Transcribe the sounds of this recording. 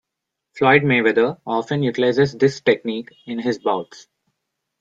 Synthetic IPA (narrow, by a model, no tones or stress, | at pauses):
flɔɪɖ̚meːʋɛd̪əɔːfə̃njuʈɪlaɪzezd̪ɪsʈek̚niːkɪ̃nɦɪzbaʊʈs